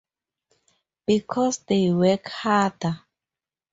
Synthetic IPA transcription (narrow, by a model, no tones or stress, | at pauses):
b̥ikʰɔsdewɛkhadə